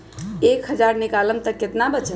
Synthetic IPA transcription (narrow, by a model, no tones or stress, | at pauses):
ekɦəd͡ʒaɾnikaləmt̪əkːet̪nabət͡ʃət̪